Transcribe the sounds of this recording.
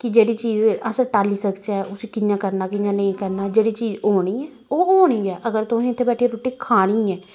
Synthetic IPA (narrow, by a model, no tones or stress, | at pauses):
kɪd͡ʒeːɽiːt͡ʃiːzəsəɾʈaːliːsəkd͡ʒaːʊsiːkɪjãːkəɾnaːkɪjãːnəĩːkəɾnaːd͡ʒeːɽiːt͡ʃiːzoːɽ̃iːɛː | oːoːɽ̃iːɛːʔəɡəɾt̪ʊsẽːɪt̪ʰːeːbɛːʈʰieːɾoːʈiːkʰaːɽ̃iːɛː